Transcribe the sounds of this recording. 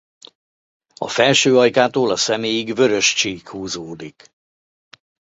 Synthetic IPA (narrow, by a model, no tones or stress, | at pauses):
ɒ̰fɛlʃøːɒjkaːt̪oːlɒsɛmeːjiɡvø̞ɾø̞ʃt͡ʃeːkhuːzoːd̪ik